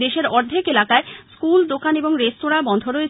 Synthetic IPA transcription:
d̪eʃeɾɔɾd̪ʱekelakaeskuld̪okaneboŋɾestoɾabɔnd̪ʱoɾoe

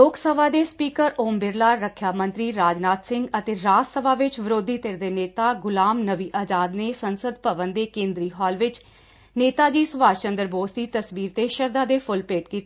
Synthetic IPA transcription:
loːksəʋaːd̪eːspiːkəɾoːmbɪɾlaːɾəkʰːjaːmə̃nt̪ɾiːɾaːd͡ʒnaːt̪sɪ̃ŋɡət̪eːɾaːd͡ʒsəʋaːʋɪt͡ʃʋɪɾoːd̪iːt̪eɾd̪eːneːt̪aːɡʊlaːmnəʋiːʔaːzaːd̪neːsənsəd̪pəbənd̪eːkẽːnd̪ɾiːɦɔːlʋɪt͡ʃ | neːt̪aːd͡ʒiːsʋaːd͡ʒt͡ʃənd̪əɾboːsd̪iːt̪əsʋiːɾt̪eːʃəɾd̪aːd̪eːpʰʊlpeːʈkiːt̪e

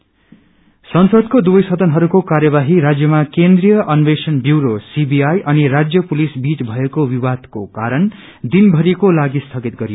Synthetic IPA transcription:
sʌnsʌt̪kod̪ubʌjsʌt̪ʌnɦʌɾukokaɾjʌbaɦiɾad͡zjʌmakend̪rijʌʔʌnbesʌnbjuɾosibiajʔʌniɾad͡zjʌpulisbit͡sbʱʌekowiwad̪kokaɾʌn | d̪inbʱʌɾikolaɡist̪ʰʌɡit̪̚ɡʌɾijo

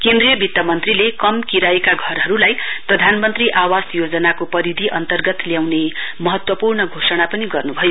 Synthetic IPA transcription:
kend̪rijʌbʱit̪jʌmʌnt̪rilekʌmkiɾaekaɡʱʌɾɦʌɾulajprʌd̪ʱanmʌnt̪riʔawasjod͡zʌnakopʌɾid̪ʱiʔʌnt̪ʌrɡʌt̪ljawnemʌɦʌt̪wʌpurɳʌɡʱosʌɽ̃apʌniɡʌrnubʱʌjo

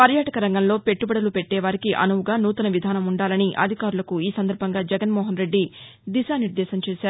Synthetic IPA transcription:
pɐɾjaːʈɐkɐɾɐŋɡɐmlo̞ːpe̞ʈːubɐɽɐlupe̞ʈːɛːʋɐɾikiʔɐ̰nuʋuɡaːnuːt̪ɐnɐʋid̪ʱaːnɐmuɳɖaːlɐniʔɐ̰d̪ʱikaːɾulɐkuiːsɐnd̪ɐɾbʱɐŋɡaːd͡ʒɛɡɐnmɔːɦɐnɾe̞ɖːi | d̪iʃaːniɾd̪ɛːsɐmt͡ʃeːsaːɾu

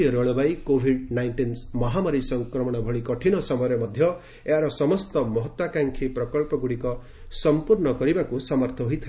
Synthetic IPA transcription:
ɾɔɭɔbajkobʱiɖnajɳʈinsmɔɦamɔɾisʌŋkɾɔmɔɽ̃ʌbʱɔɽikɔʈʰinʌsɔmɔjʌɾɔmʌd̪ʱjʌ | eaɾɔsʌmʌst̪ɔmɔɦʌt̪wakaŋkʰipɾʌkɔlpɔɡuɽikɔ | sʌmpuɾnʌkɔɾibakusamɔɾt̪ʰɔɦujt̪ʰi

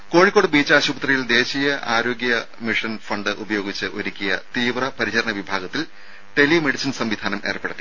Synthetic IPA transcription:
ko̞ːɻikʲːo̞ːɽɨbiːt͡ɕːaːɕubɐt̪rɐjild̪e̞ːɕijɐʔaːɾo̞ːɡjɐ | miʂɐnfɐɳɖɨʔubɐjo̞ːɡit͡ɕːɨʔo̞ɾukʲːijɐt̪iːʋrɐpɐɾit͡ɕɐɾɐɳɐʋibʱaːɡɐt̪ːil | ʈe̞liʋmeɽisɐnsɐmʋid̪ʱaːnɐme̞ːrpːeɽut̪ːi

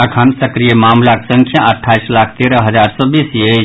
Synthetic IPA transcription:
akʰansəkɾijemaːmlaksə̃ŋkʰjaʔəʈʰːaːislaːkʰt̪eɾəɦəd͡ʒaɾsɔbiːsje

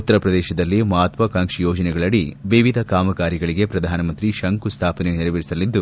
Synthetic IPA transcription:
ut̪ːɐɾɐpɾɐd̪ɛːʃɐd̪ɐlːimɐɦɐt̪ʋɐːkaːŋʂijɔːd͡ʒɐnɛɡɐɭɐɽiʋiʋid̪ʱɐkaːmɐkaːɾiɡɐɭiɡe̞pɾɐd̪ʱaːnɐmɐnt̪ɾiʃɐŋkust̪ʰaːpɐneniɾɐʋeɾisɐlːid̪ːu

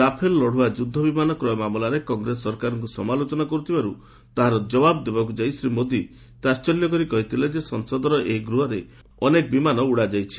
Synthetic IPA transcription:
ɾapʰelːɔɽ̤uad͡ʒud̪ʱːɔbimanɔkɾɔjɔmamlaɾekɔŋɡɾesːɔɾkaɾɔŋk̬usɔmalot͡ʃɔnakɔɾut̪ʰibaɾu | t̪aɦaɾɔd͡ʒɔbabd̪ebakud͡ʒajsɾimod̪i | t̪ast͡ʃɔljɔkɔɾikɔɦit̪ʰiled͡ʒesɔnsɔd̪ɔɾɔʔeɡɾuɦɔɾe | ɔnekɔbimanɔuɽad͡ʒajt͡ʃʰi̥

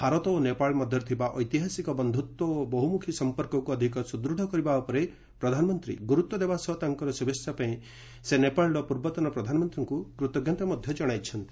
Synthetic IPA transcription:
bʱaɾɔt̪ɔːnepaɭɔmɔd̪ʱjɔɾt̪ʰibaʔɔjt̪iɦasikɔbɔnd̪ʱut̪wɔobɔɦumukʰisɔmpɔɾkɔkuɔd̪ʱikɔsud̪ɾuɽ̤ʱɔkɔɾibapɔɾe | pɾɔd̪ʱanɔmɔnt̪ɾḭɡuɾut̪wɔd̪ebasɔɦɔt̪aŋkɔɾɔsibesapaĩ | senepaɭɖɔpuɾbɔt̪ɔnɔpɾɔd̪ʱanɔmɔnt̪ɾiŋkukɾut̪ɔɡjɔnt̪ɔmɔd̪ʱjɔd͡ʒɔɽ̃ajt͡ʃʰɔnt̪i̥

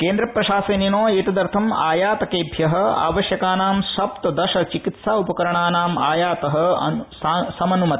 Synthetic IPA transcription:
keːnd̪ɾɐpɾɐʃaːsɐninoːiʈɐd̪ɐɾt̪ʰɐma̰ːjaːt̪ɐkeːbʱjɐɦɐ̆a̰ːʋɐʃjɐkaːnaːmʃɐpt̪ɐd̪ɐʃɐt͡ʃikit̪saːupɐkɐɾɐɳaːnaːmaːjaːt̪ɐɦɐ̆ɐ̰ | sɐmɐnumɐt̪

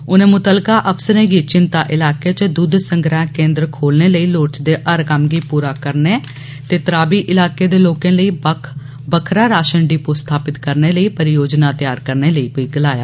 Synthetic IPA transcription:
ʊnẽːmʊt̪əlkaːʔəpsəɾẽːɡiːt͡ʃɪnt̪aːʔɪlaːkeːt͡ʃəd̪ʊd̪səŋɡɾãːɦkẽːnd̪ɾkʰoːlneːləiːloːt͡ʃd̪eːʔəɾɡamɡiːpuːɾaːkəɾneː | t̪eːt̪ɾaːbiːʔɪlaːkeːd̪eːloːkẽːləiː | bəkʰɾaːɾaːʃəɳɖiːpʊst̪ʰaːpɪt̪kəɾneːləiːpəɾɪjoːd͡ʒnaːt̪ɪjaːɾkəɾneːləiːpoiːɡɪlaːja̰ː

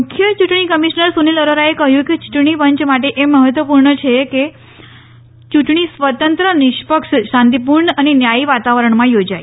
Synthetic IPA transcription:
mukʰjət͡ʃuʈɳikəmiʃnəɾsuniləɾoɾaekəɦjũket͡ʃu̥ʈɳ̃ipəɲt͡ʃmaʈ̬eʔeməɦət̪ʋəpuɾɳət͡ʃʰeke | t͡ʃuʈɳ̃isʋət̪ənt̪ɾənɪʃpəkʂʃãnt̪ipuɾɳəənenjaiʋat̪aʋəɾəɳmãjod͡ʒaj

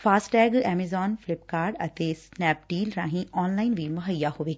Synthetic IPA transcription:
faːsʈɛːɡɛːmezaːnflɪpkaːɾɖɐt̪eːsnɛːp̚ɖiːlɾaːɦĩɔːnlaːɪnʋiːmʊɦɐjːahoʋeːk

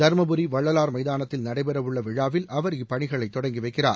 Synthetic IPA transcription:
d̪ɐɾmɐbɯɾiʋɐɭːɐlaːɾmɐɪjðaːnɐt̪ːɪlnɐɽɐɪpɛɾɐʋɯɭːɐʋɪɻaːʋɪlʔɐʋɐɾɪpːɐɳɪɣɐɭɐɪt̪ːɔɽɐŋɡɪʋɐɪkːɪra̰ːɾ

